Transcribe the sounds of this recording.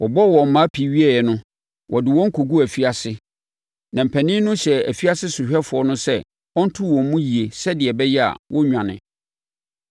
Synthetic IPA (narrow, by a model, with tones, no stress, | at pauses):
wʔɔ˨bɔ˦˨wɔ̃˨m̩˨˦mã˨˦pʰi˨˦ɥi˦æ˨jɛ˨nʊ̃˦ | wʔɔ̰˨dɪ˨wɔ̃˦ŋ̩˦kʰo˨ɡu˦æ˨fi˦a˨sɪ˦ | nã˨m̩˨pʰæ˨nɪ̃˦nʊ̃˦ɕɛ˨æ˨fi˦a˦sɪ˦sʊ˨ɕᶣɛ˦fʊ˨ɔ˦nʊ̃˦sɛ˦ | ɔ̃˦n̩˦tʰʊ˦wɔ̃˨m˦mũ˦ji˨e˨sɛ˦dɪ˨ɛ˨bɛ˦jɛ˦a̰˨wʔɔ˦ɲᶣã˨nɪ̰̃˨